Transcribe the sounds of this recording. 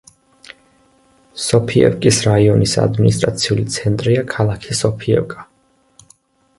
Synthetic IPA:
sɔpʰiɛ̰vkʼisɾaiɔnisa̰d̪minist̪ʼɾa̰t̪sʰiulit̪sʰɛnt̪ʼɾiakʰalˠakʰisɔpʰiɛ̰vkʼḁ

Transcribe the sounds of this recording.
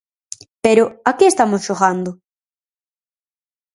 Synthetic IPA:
peɾʊakeest̪amosʃoɣand̪ʊ

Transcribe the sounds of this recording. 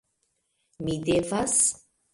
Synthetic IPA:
midevas

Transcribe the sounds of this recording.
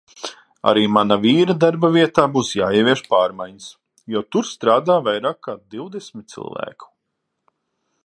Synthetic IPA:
a̰ɾiːmanaviːɾad̪aɾbɐvʲiɛt̪aːbuːsjaːiɛvʲiɛʃpaːɾmajɲəs | jɔt̪uɾst̪ɾaːd̪aːvajɾaːkːaːd̪iwd̪esmʲit̪̚t̪sḭlˠvæ̰ːku̥

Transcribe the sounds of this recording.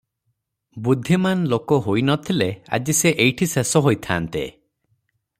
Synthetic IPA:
bud̪ʱːimanlokɔɦojnɔt̪ʰilea̰d͡ʒiseʔejʈʰisesɔɦojt̪ʰa̰ːnt̪ḛ

